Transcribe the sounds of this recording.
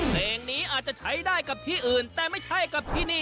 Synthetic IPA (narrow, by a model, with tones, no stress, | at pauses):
leː˧ŋniː˦˥ʔaː˨˩t̪̚t͡ɕa˨˧˩t͡ɕʰa˦˥jdaː˥˩jka˨˩p̚t̪ʰiː˥˩ʔɯː˨˩nt̪ɛː˨˩ma˥˩jt͡ɕʰa˥˩jka˨˧˩p̚t̪ʰiː˥˩niː˥˩